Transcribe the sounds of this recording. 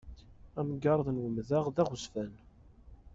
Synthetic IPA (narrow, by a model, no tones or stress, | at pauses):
æmɡɑɾˤðnwəmðaʁðæχʊsfæn